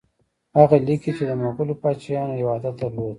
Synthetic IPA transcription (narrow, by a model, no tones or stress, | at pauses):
haɣalikit͡ʃed̪əmokulopɑt͡ʃajɑnoɪwɑd̪ad̪əɾlod̪